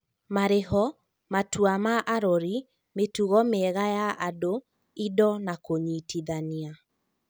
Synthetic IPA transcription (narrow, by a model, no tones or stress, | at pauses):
maɾeɦɔ | matuamaʔaɾɔɾi | metuɣɔmɛɣajaʔado | idɔnakoɲitiðania